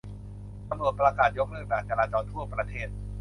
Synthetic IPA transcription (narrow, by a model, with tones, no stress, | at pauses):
ka˧mnu˨˩ət̪̚pɾa˧kaː˨˩t̪̚jo˦˥k̚lɯ˥˩k̚bɛː˨˩k̚t͡ɕa˧ɾaː˧t͡ɕɔː˧nt̪ʰu˥˩ɐpɾa˧t̪ʰeː˥˩t̪̚